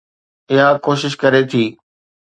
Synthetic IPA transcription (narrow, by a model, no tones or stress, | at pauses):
ɪɦakoːʃɪʃkɐɾet̪ʰiː